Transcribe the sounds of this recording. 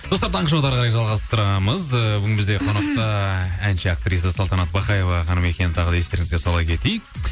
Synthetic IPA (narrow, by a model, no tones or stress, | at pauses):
d̪o̞st̪ɑɾt̪ʰɑɴqəʃɑwd̪ɑɾʁʰɑɾɑjʒɑlˠʁɑst̪əɾɑməzəbʏɡʲɪnbɪzd̪eqʰo̞nɑq̚t̪ɑænʃeak̚t̪ɾijs̬əsɑlˠt̪ɑnɑt̪̚bɑqɑje̞vɑχɑnəme̞kʲe̞nɪt̪ʰɑʁəd̪ɑjest̪e̞ɾɪŋɪzd̪e̞sɑlˠɑkʲʰe̞t̪e̞jɪk̚